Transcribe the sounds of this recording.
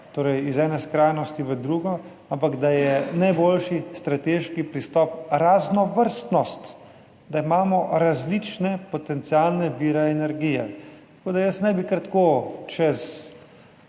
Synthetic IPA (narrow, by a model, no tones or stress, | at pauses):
t̪oːɾɛjizɛːnɛskɾajnɔst̪iʋəd̪ɾuɡɔ | ampaɡd̪ajɛnajbolʃist̪ɾat̪eːʃkipɾist̪ɔpɾaznɔʋəɾst̪nɔst̪ | d̪aimaːmɔɾazlit͡ʃnɛpɔt̪ɛnt̪sialnɛʋiːɾɛɛnɛɾɡiːjɛ̰t̪ḁkoːd̪ajəsnɛjbikəɾt̪koːt͡ʃɛz